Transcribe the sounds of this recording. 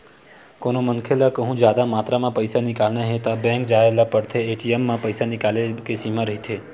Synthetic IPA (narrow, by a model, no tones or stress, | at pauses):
konomənkʰelakəɦũd͡ʒjad̪amat̪ɾamãpəjsanikalnãɦet̪abɛ̃ŋkd͡ʒaelapəɽt̪ʰeːʈiemːãpəjsanikalekesimãɾɦit̪ʰe